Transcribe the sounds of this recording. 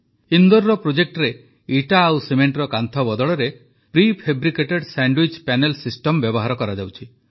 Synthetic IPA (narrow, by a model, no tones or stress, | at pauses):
ind̪ɔɾːɔpɾod͡ʒek̚ʈɔɾe | iʈaːwsemeɳʈɾɔkant̪ʰɔbɔd̪ɔɭɔɾe | pɾipʰebɾikeʈeɖsaɳɖwit͡ʃpanelsisʈɔmbjɔbɔɦaɾɔkɔɾad͡ʒawt͡ʃʰi